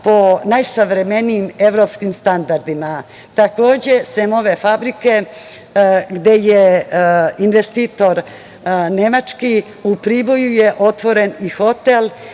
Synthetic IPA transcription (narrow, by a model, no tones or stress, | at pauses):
po̞najsaʋɾeme̞niːme̞ʋɾo̞pskimst̪and̪aɾd̪ima | t̪ako̞ːd͡ʑe̞semo̞ʋefabɾike̞ | ɡd̪e̞je | inʋest̪iːt̪o̞ɾ | ne̞mat͡ʂki | upɾibo̞juje̞ʔo̞t̪ʋo̞ɾe̞nixo̞t̪e̞l